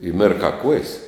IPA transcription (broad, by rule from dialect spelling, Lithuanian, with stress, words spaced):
ɪ ˈmʲɪrkɑː kuɔjs